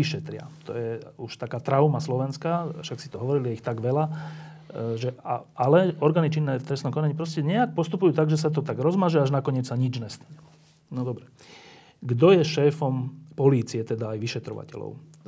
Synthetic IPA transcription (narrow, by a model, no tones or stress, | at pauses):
iʃɛt̪ɾɪa̰t̪ɔ̰jɛuʃt̪akaːt̪ɾaʊmaslɔʋɛnskaːfʃaksi̥t̪ɔɦɔʋɔɾiliɛixt̪aɡʋɛla | ʒɛa̰ʔalɛɔɾɡaːnit͡ʃinːɛːft̪ɾɛst̪nɔmkɔnaɲipɾɔscɛɲɛak̚pɔst̪upujuːt̪aɡʒɛs̬at̪̬ɔt̪aɡɾɔzmaʒɛaʒnakɔɲɪɛt͡ssaɲid͡ʒɲɛst̪ḁɲɛ | nɔd̪ɔbɾɛ | ɡd̪ɔjɛʃɛːfɔmpɔliːt͡siɛt̪ɛd̪aːjʋiʃɛt̪ɾɔ̰ʋa̰cɛ̰lɔ̰ʊ